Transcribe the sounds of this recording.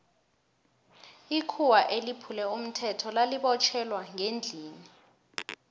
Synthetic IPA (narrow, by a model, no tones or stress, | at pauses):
ikʰuwaʔelipʰulɛum̩tʰɛtʰɔlaliɓɔt͡ʃʰɛlwaŋend͡ɮʱiːni